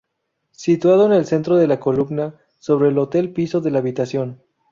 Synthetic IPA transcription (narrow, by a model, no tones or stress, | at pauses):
sit̪wað̞oene̞lse̞nt̪ɾo̞ð̞elako̞lumna | so̞β̞ɾe̞ːlo̞t̪e̞lpiso̞ðe̞laːβit̪asjo̞n